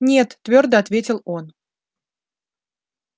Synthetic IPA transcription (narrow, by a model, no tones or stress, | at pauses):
nʲet̪ːvʲord̪əɐt̪vʲetʲɪlˠo̞n